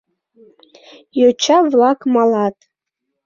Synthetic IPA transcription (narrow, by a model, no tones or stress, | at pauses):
jot͡ʃʰavlˠakʼmalatʼ